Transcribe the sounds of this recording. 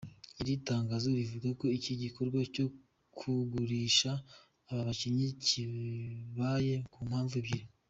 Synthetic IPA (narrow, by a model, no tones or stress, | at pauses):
iɾitaːŋɡaːzuɾivuɡako̞iciɟiko̞ɾɡwaco̞ | kʰuɡuɾiːʃaː | βaβaciɲiciβaje̞kuːm̥haːɱvuβɟiɾi